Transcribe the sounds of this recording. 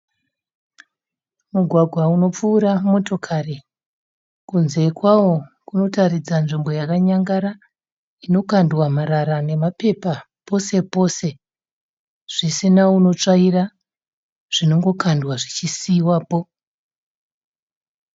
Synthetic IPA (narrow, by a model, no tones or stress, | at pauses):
muɡʱwaɡʱwauno̞p͡fuːɾamo̞to̞kʰari | kunze̞kwawokuno̞tarid͡zanʐimbo̞jakaɲaŋɡaɾa | ino̞kandwamaɾaɾane̞mape̞pa | po̞se̞po̞se̞ | ʐ̥isinauno̞t͡ʂaira | ʐ̥ino̞ŋɡo̞kandwaʐit͡ʃisiwaːpo̞